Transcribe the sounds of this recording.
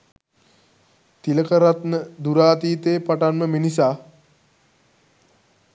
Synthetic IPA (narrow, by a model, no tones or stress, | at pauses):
t̪iləkəɾat̪nəd̪uɾaːt̪iːt̪eːpaʈanməminisaː